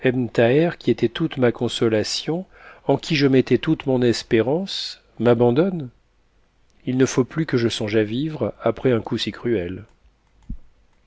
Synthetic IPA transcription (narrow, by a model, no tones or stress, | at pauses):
ɛmnt̪aɛʁkʲiet̪ɛt̪ut̪makɔ̃sɔlasjɔ̃ | ɑ̃kʲʰiʒəmɛt̪ɛt̪ut̪mɔ̃nɛspeʁɑ̃s | mabɑ̃d̪ɔn | ilnəfoplykəʒəsɔ̃ʒavivʁapχɛɛ̃kusikχyɛl